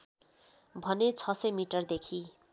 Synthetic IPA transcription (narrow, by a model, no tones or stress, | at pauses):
bʱʌnet͡sʰʌsʌjmiʈʌrd̪ekʰi